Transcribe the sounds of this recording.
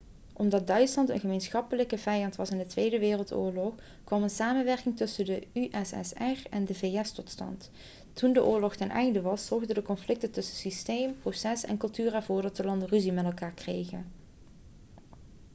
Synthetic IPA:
ʔɔmdɑd̚dœɥtslɑntə̰nχəmejnsxɑpələkəvɛjɑntʋɑsɪndətʋejdəʋɪːrəlˠtʊ̰ːɹlɔx | kʋɑmənsaːmənʋɛɹkɪŋtɵsəndəyʔɛsɛ̰sɛrɛndəvejɛstɔtstɑ̰nt | tundəʔʊːɹlɔxtɛnʔɛ̰jndəʋɑsz̥ɔɹɣdəndəkɔnflɪk̚təntɵsəsistejmprosɛsɛ̰nkɵlˠtyːrɛɹv̥ʊːɹdɑtəlɑndəryzimɛtɛlˠkaːɹkrejɣən

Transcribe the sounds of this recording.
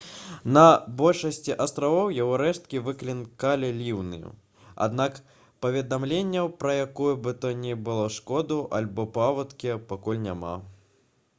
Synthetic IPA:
nɐbɔlʲʂɐsʲt͡sʲiʔast̪ɾavɔwjaɣɔɾɛʂt̪̚kʲivɨklʲinkalʲɛlʲiwnɨ̰jṵ | a̰d̪nak | pɐvʲɛd̪amlʲenʲːɐwpɾɐjakujubɨt̪ɔnʲɛbɨlˠɔʂkɔd̪uʔalʲbɔpavɐt̪kʲipakulʲnʲama̰

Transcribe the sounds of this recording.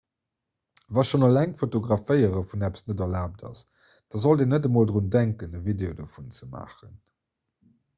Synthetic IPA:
vɑːʃonolæŋtfotoɡʁɑfəɪəʁəfunæpə̥snədɐlaːp̚dɑ̰s | d̥ɑːzoldeːnədəmoːldʁundæŋkənəvideodəfunt͡səma̰ːχən

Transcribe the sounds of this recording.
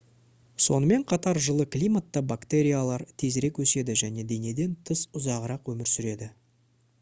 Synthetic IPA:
so̞̰nəme̞ɴqʰɑt̪ɑɾʒəlˠəklʲijmat̪ːɑbakt̪e̞ɾʲijalˠɑɾt̪ʰe̞zɾe̞kwɵse̞d̪ɪʒæne̞d̪e̞ne̞d̪e̞nt̪ʰəsʊzɑʁəɾɑqwɵmɪɾsʏɾe̞d̪ɪ

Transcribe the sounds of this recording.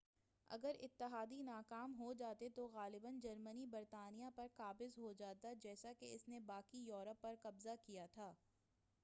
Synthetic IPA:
ɐ̰ɡəɾɪ̰t̪ːɪɦaːd̪inaːkaːmɦod͡ʒaːt̪et̪oɣaːlɪbənd͡ʒɐɾmənibɐɾt̪aːnijãpɐɾkaːbɪzɦod͡ʒaːt̪ad͡ʒɛːsakeɪsnebaːkijɔːɾəpːɐɾqɐbzakijat̪ʰaː

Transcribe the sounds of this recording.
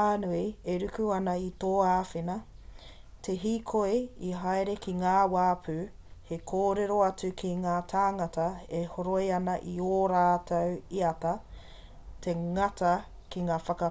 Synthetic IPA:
aːnuieɾʉkuɐnɐitoːaːfenɐ | tʰeɦiːkʰoeiɦajɾekʰiŋaːwaːpʰʉ | hekʰoːɾeɾo̞ɐt͡sʉkʰiŋaːtʰaːŋɐtɐehoɾojɐnɐʔioːɾaːtʰɐwiɐtɐ | tʰeŋɐtɐ | kiŋaːfɐkɐ

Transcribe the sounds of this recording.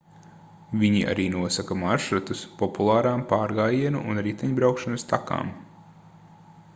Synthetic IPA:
viɲiʔa̰ɾiːnuɔsakamaɾʃɾut̪uspɔpulˠɑːɾaːmpaːɾɡaːjiɛnṵʔunɾit̪ɛɲbɾawkʃanst̪aka̰ːm

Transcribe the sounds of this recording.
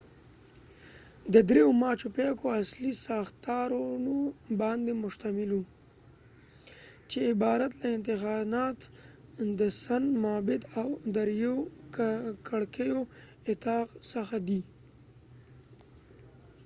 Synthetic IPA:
d̪əd̪ɾeomɑt͡ʃopekoaslisɑxt̪ɑɾunobɑnd̪emʊʃt̪amɪlu | t͡ʃeɪbɑɾat̪laɪnt̪ɪxɑnɑt̪d̪əsanmɑbɪd̪awd̪aɾjokkʰaɽkejo | ɪt̪ɑqsaxad̪i

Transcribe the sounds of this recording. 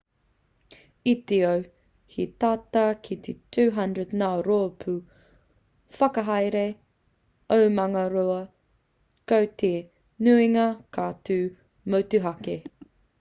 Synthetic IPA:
it̪eow | hit̪aːtakʰit̪ʰetʰʉːɦɐ̃ndɹədnaoɾoːpʰʉ | fɐkɐɦɐjɾe | owmɐŋɐɾoɐ | kowte | nʉiŋɐkʰaːtʉː | mowtuɦɐke

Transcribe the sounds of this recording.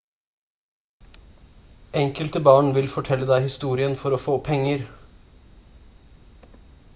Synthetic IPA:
ʔɛŋkəlt̪əbɑːɳʋɪlfɔʈʰɛlːəd̪æɪhɪst̪uːɾɪənfɔɾoːfoːpʰɛŋəɾ

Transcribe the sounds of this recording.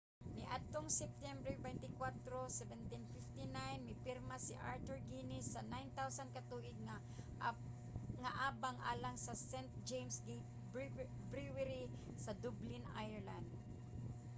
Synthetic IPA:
nɪʔat̪ʊŋsɛp̚t̪ɛmbɾɛbajnt̪ɪkwat̪ɾosɛvɛnt̪ɪnfɪft̪ɪnajnmɪpɪɾmasɪ̰ʔaɹt̪ʊɹɡinɪsːɐnajnt̪awsankat̪uːʔɪd̪̚ŋa | ŋaʔaːbaŋʔa̰ːlaŋsɐsɛnt̪̚d͡ʒejmsɡ | bɾiwɛɾi | sɐd̪ʊblɪna̰jɛɹland̪̚

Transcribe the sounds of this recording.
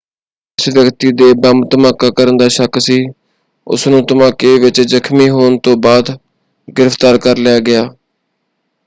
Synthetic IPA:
ɪsʋjəkt̪iːd̪eːbəmt̪əmaːkːaːkəɾənd̪aːʃəksiː | ʊ̰snũːt̪əmaːkeːʋɪt͡ʃzəkʰmiːɦoːnt̪õːbaːd̪ | ɡɪɾəft̪aːɾkəɾlɪjaːɡɪaː

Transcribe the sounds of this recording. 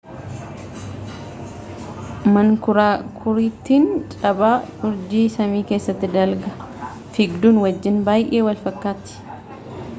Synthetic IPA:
mɐŋkʊɾaːkʰʊɾiːt̪ːiːnt͡ʃʼɐbʼaːʊɾd͡ʒiːsɐmiːke̞ːsːɐt̪ːɪd̪ɐlɡɐ | fɪɡd̪uːnwɐd͡ʒːɪnbaːjʔeːwɐlfɐkːaːt̪ːɪ̥

